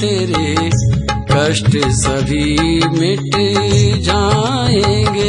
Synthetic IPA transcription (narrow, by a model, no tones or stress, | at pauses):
eːɾe | kɐʃʈsɐbʱimɪʈ | d͡ʒaː | ẽɡe